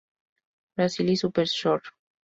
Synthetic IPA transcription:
bɾasilisupeɾʃoɾ

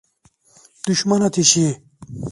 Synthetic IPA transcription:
d̪̥uɕmɐnɐt̪ʰiɕi

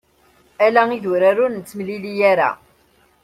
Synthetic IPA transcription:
ælæiðuɾaɾunt͡sːmlilijæɾæ̰

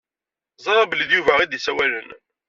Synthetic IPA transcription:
zˤɑɾˤɑbəliðjuvæʁid̪isæwælən

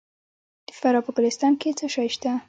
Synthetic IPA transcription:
d̪̥əfaɾɑpəkʊlɪst̪ɑnket͡səʃɑjʃt̪a

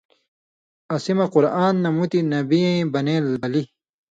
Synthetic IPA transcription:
ɐsimɐquɾaːnːɐmut̪inɐbiẽbɐneːlbɐli

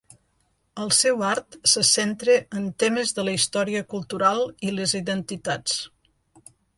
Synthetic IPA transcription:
əlˠsɛwaɾt̪səsent̪ɾeʔənt̪eməzðələist̪ɔɾiəkulˠt̪uɾalˠileziðənt̪it̪at͡s

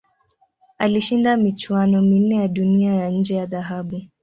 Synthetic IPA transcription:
aliʃindamit͡ʃwanɔmin̩ɛjaɗuniajaɲ̩d͡ʒɛjaðaɦaɓu

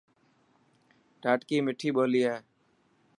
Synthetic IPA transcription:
ʈaːʈkiːmɪʈʰiːɓoːliːɛː

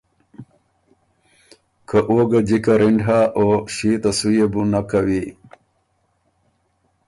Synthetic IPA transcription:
kʰəʔoɡad͡ʑikaɾiɳɖɦaʔoɕit̪asujebunakawi

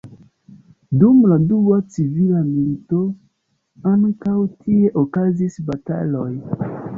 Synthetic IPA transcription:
dumladuwat͡sivilamito | aŋkawtʰieʔokazisbata̰loj

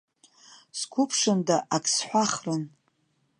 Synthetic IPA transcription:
skʷʰʊpʰʂɨndaʔakʰʼsħʷaχrɨn

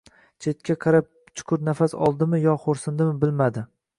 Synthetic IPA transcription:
t͡ʃʰe̞t̪kʲaqʰɑɾap̚ | t͡ʃʰʊ̥kʰʊɾnafasɒ̰lˠd̪ɪmɪjɒχoɾsɪnd̪ɪmɪbɪlmad̪ɪ

